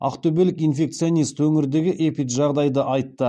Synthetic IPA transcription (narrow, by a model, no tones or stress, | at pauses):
ɑ̰qt̪ʰɵbelɪkinfe̞k̚t̪sijo̞nijst̪wɵŋɪɾd̪e̞ɡʲɪʔepit̪ʒɑʁd̪ɑjd̪əʔɑjt̪ːə